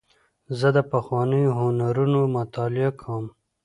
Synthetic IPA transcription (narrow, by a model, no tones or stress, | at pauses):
zəd̪əpaxwɑnəjoɦʊnaɾunomʊt̪ɑlɪakʰawm